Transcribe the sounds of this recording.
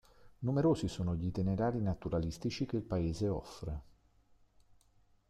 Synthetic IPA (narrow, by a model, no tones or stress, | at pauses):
numeɾoːzisoːnoʎit̪ineɾaːɾinat̪uɾalist̪it͡ʃikelpaeːzeɔ̰fɾe